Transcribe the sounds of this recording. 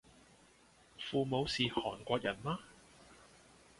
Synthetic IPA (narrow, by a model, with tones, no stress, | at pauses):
fuː˨˧mo˨˧wsiː˨hɔ̰ː˨˩nkʷɔː˧k̚jɐ˨˩nmaː˥